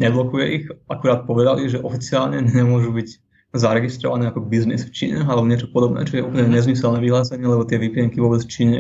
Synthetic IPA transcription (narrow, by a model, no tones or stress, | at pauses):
ɲɛblɔkujɛʔixakuɾaːt̪̚pɔʋɛd̪aliʒɛʔɔfit͡siaːlɲɛɲɲɛmʊɔʒubiɟ | zaɾɛɡist̪ɾɔ̰ʋanɛːakɔbiznḭsft͡ʃḭːɲaalɛbɔɲɪɛt͡ʃɔ̥pɔd̪ɔbnɛ̰ːt͡ʃɔɛjɛʔupl̩ɲɛɲɛzmisɛlnɛʋiɦlaːsɛɲɪɛlɛbɔt̪ɪɛʋiplɪɛŋkiʋɔːbɛt͡sft͡ʃiːɲɛ